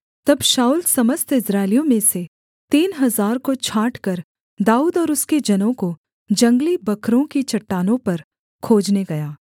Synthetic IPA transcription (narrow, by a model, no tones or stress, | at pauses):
t̪ɐbʃaːuːlsɐməst̪ʰɪsɾaːɪlijõmẽse | t̪iːnɦɐzaːɾkot͡ʃʰaːʈkɐɾ | d̪aːuːd̪ɔːɾʊsked͡ʒɐnõko | d͡ʒɐ̃ŋɡlibɐkʰɾõkit͡ʃɐʈːaːnõpɐɾ | kʰoːd͡ʒneɡɐjaː